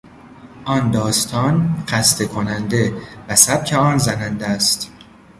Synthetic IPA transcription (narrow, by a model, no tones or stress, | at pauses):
ʔɒːnd̪ɒːst̪ʰɒːnɢæst̪e̞kʰonænd̪e̞væsæb̥̚cʰeɒːnzænænd̪æst̪